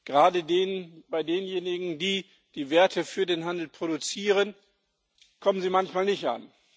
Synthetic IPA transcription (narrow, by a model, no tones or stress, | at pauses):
ɡ̥əʁaːdədeːnənb̥aɪdeːənjeːnɪɡŋ̩diː | d̥iːveːɐtʰəfyːɐdeːnɦandl̩pʁ̥oɾut͡siːʁ̞ən | kʰɔmənziːmançmaːlnɪçtʔa̰n